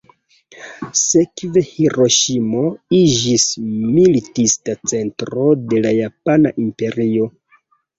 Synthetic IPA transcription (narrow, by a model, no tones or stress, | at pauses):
se̞kve̞hiɾo̞ʃimo̞id͡ʒismilitistat͡se̞ntɾo̞de̞lajapana̰ʔimpe̞ɾio̞